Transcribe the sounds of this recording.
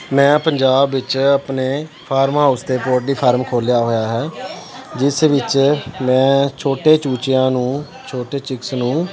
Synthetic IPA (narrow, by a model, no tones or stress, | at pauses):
mɛ̃ːpəɲd͡ʒaːbʋɪt͡ʃəpneː | pʰaːɾmɦaːʊst̪eːpoːʈ̚d̪iːpʰaːɾmkʰoːljaːɦoːjaːɦɛː | d͡ʒɪsʋɪt͡ʃmɛ̃ːt͡ʃʰoːʈeːt͡ʃuːt͡ʃɪjãːnũː | t͡ʃʰoːʈeːt͡ʃɪksnũː